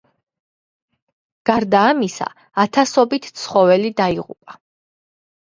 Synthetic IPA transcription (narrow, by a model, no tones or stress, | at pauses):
ɡ̥aɾd̪aːmisa̰ː | t̪ʰasɔbit̪ʰt̪sʰχɔvɛlid̪aiʁṵpʼa